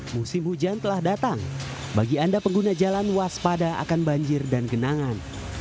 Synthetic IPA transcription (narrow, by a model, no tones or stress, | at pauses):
musɪmhud͡ʒant̪əlahdat̪aŋ | baɡiandapəŋɡunad͡ʒalanwaspadaa̰kanbaɲd͡ʒɪrdanɡənaŋan